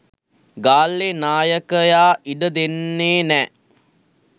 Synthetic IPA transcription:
ɡaːlːenaːjəkəjaːʔiɖəd̪enːeːnɛː

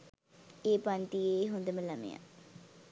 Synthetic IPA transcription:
eːpanʈ̪ieɦond̪eːmɛ̃ləmḛ̃ã̰

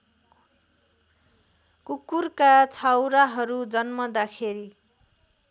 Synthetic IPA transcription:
kukːurkat͡sʰawɾaɦʌɾud͡zʌnmʌd̪akʰeɾi

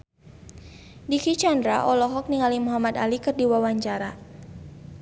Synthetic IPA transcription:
dikit͡ʃandɾaʔɔlɔɦɔk̚niŋalimuɦamat̪alikɨrdiwawaɲt͡ʃaɾa

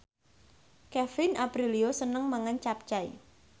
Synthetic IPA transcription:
kɛfɪnabɾiliosənəŋmaŋant͡ʃap̚t͡ʃaj

